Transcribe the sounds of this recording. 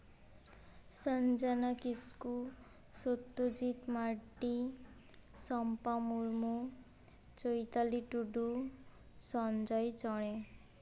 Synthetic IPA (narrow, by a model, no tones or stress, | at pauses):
sʌnd͡zanakisku | sot̪ːod͡zit̪maʈi | sʌmpamuɾmu | t͡sojt̪aliʈuɖu | sʌnd͡zʌjt͡sʌɽ̃e